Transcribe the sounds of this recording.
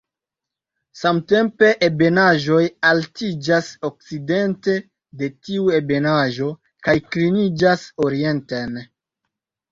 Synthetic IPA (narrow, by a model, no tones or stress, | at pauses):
samte̞mpe̞ʔebe̞naʒo̞jaltid͡ʒasok̚t͡side̞nte̞ | de̞tiue̞be̞naʒo̞ | kajkɾinid͡ʒasoɾie̞nten